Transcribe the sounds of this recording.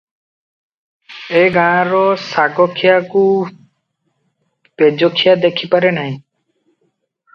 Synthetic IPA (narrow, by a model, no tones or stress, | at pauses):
eɡãːɾɔsaɡɔkʰijaku | ped͡ʒɔkʰijad̪ekʰipaɾenaɦĩ